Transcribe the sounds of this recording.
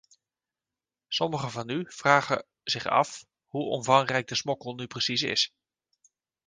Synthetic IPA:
sɔməχəvɑnyv̥raːχə | zɪχɑ̰f | ɦuʔɔ̰nvɑŋrɛjɡ̚dəsmɔkəlˠnyprəsisɪ̰s

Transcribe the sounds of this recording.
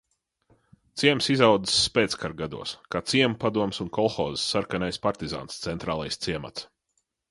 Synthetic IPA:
t̪siɛmsizawd̪i̥sːpeɛːt̪skaɾɡad̪ṵɔskaːt̪siɛmupad̪uɔmsunkɔlˠxɔ̰ːzsːaɾkanajspaɾt̪iza̰ːnst̪sɛnt̪ɾaːlˠajst̪siɛma̰t̪s

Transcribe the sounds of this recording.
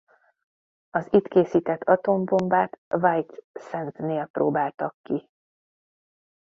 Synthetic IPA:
ɒziːt̪keːsiːt̪ɛt̪ʰːɒt̪o̞mbo̞mbaːt̪vajt̪sɛnt̪neːlprʔo̰ːbaːlt̪ɒkːi

